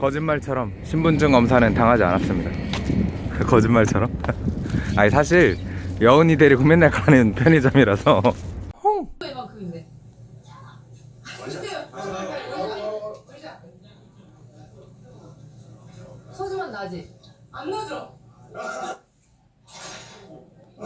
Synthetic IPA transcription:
kʌd͡ʑinmaɭt͡ɕʰʌɾʌmɕʰimbund͡ʑɯŋʌmsʰanɯntaŋɦad͡ʑia̰nas͈ɯmɲida | kʌd͡ʑinmaɭt͡ɕʰʌɾʌm | aisʰaɕ̬ʰiɾjʌɯnideɾikumenːekanɯnpʰjʌɲid͡ʑʌmiɾasʰʌ | emakɯe | aad͡ʑian

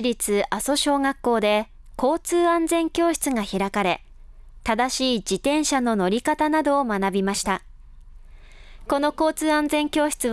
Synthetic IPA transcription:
iɾʲit͡sɨʔaso̞ɕo̞ːɡakːo̞ːd̪e̞ | ko̞ːt͡sɨːãnd͡zẽ̞ŋkʲo̞ːɕi̥t͡sɨɡaçiɾakaɾe̞ | t̪ad̪aɕiːd͡ʑit̪ẽ̞ɰ̃ɕano̞no̞ɾʲikat̪anad̪o̞ːmanabʲimaɕi̥t̪a | ko̞no̞ko̞ːt͡sɨːãnd͡zẽ̞ŋkʲo̞ːɕi̥t͡sɨ

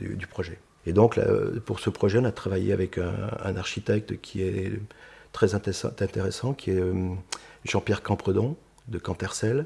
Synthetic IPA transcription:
d̪y̰d̪ypχɔʒɛ | ed̪ɔ̃kla̰puʁsəpχɔʒɛɔ̃nat̪χavajḛavɛkɛ̰̃ːnaʁʃit̪ɛk̚t̪kʲʰiɛ | t̪χɛzɛ̃t̪ɛst̪ɛ̃t̪eʁesɑ̃kʲʰiɛø | ʒɑ̃pjɛʁkɑ̃pχəd̪ɔ̃ | d̪əkɑ̃t̪ɛʁsɛl

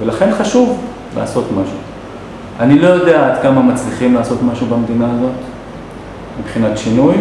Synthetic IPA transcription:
velaχe̞nχaʃuv | lʔa̰ːso̞tmaʃu | anilo̞jo̞deaːd̪kamamat͡sliχimlaːso̞t̪maʃubamd̪inaːzo̞t | mipχinatʃinuj

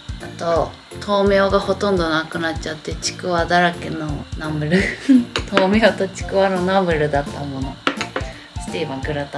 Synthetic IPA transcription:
at̪o̞ | t̪ʰo̞ːmeoɡaho̞t̪õ̞nd̪o̞nakɯ̟natt͡ɕat̪ːe̞t͡ɕi̥kɯ̟βad̪aɾakenonamɯ̟ɾɯ̟t̪ʰoːmeot̪o̞t͡ɕi̥kɯ̟βano̞namɯ̟ɾɯ̟d̪at̪ːamo̞no̞ | sɨ̥t̪ibãŋkɯ̟ɾat̪a

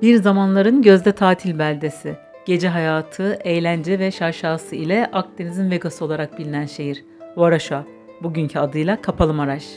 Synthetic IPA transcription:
biɾzamanlˠaɾɯnɟø̞zd̪ɛt̪ʰaːt̪ʰilʲbælʲd̪e̞si | ɟ̥e̞d͡ʒɛɦajaːt̪ʰɯejlʲænd͡ʒɛvɛʃaʃaːsɯilʲɛʔak̚t̪ʰenizinveɡasɯo̞lˠaɾak̚bilʲinænʃejiɾ̥ | oaɾaʃa | buɟynɲcʰyad̪ɯjlˠakʰapʰalˠɯmaɾaʃ

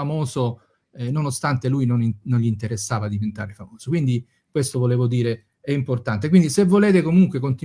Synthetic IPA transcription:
amoːzo | ɛnonost̪ant̪elujnoninonʎint̪eɾesːaːvad̪ːivent̪aːɾefamoːz̥okwind̪i | kwest̪ovoleːvod̪iːɾe | ɛimport̪ant̪̬ekwind̪isevːoleːt̪ekomuŋkwekont̪i

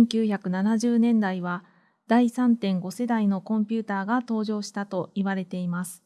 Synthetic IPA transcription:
ẽŋkʲɨːçakɯ̟nanaʑɨːnẽ̞nd̪aiβa | d̪̥aisãnt̪ẽ̞ŋɡo̞se̞d̪aino̞kõ̞mpʲɨːt̪aːɡat̪o̞ːʑo̞ːɕi̥t̪at̪o̞iβaɾe̞t̪e̞imasɨ̥

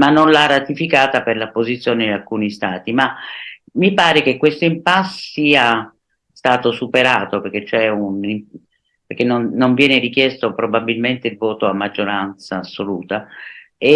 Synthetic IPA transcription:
manːonlarat̪ifikaːt̪aperlapːozit̪sjoːnenialkuːnist̪aːt̪ima | mipaːɾekekːwest̪oimpassːiːa | st̪aːt̪osupeɾaːt̪operk̟et͡ʃːɛunim | perk̟enːonːoɱvjɛːneɾik̟jɛst̪opɾobabilment̪eilvɔːt̪oamːad͡ʒːoɾant̪saːsːoluːt̪a | e

